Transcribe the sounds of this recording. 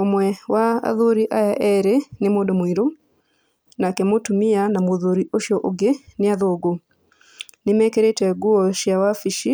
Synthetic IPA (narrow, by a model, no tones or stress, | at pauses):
omwɛwaa̰ðoɾiʔajaʔɛɾenemodɔmoiɾo | nakɛmotumianamoðoɾiʔoʃjɔʔoɡeneaðoɡo | nemɛkeɾetwɛɡuɔʃjawafiʃi